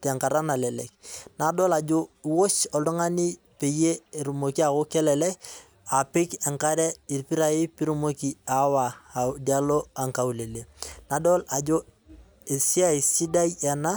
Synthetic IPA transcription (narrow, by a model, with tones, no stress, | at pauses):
tɛ˨ŋka˨ɾa˦na˨lɛ˨lɛ̰˨k̚na˨dɔ˦la˨d͡ʒʊ˦wo˦t͡ʃɔ˨du˦ŋa˦ni˦ | pe˨je˦˨ɾu˨mo˨ki˦a˨ko˦kɛ˦lɛ˨lɛ˦k | a˨pɪ˦kɛ˨ŋka˦ɾɛ˦i˨rpi˦ɾa˦ɪ˦pi˦ɾu˦mo˦ki˦a˨wa˨dia˦lo˦a˨ŋka˨u˨le˨le˨na˨dɔ˦la˨d͡ʒo˦ | e˨si˦a˦i˨si˦da˦jɛ˨na˦